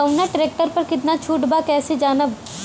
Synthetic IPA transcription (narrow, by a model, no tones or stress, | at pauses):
ɐʊnaʈɪɾeːk̚ʈəɾpɐɾkɪt̪nat͡ʃʰuːʈbakɛːsed͡ʒaːnə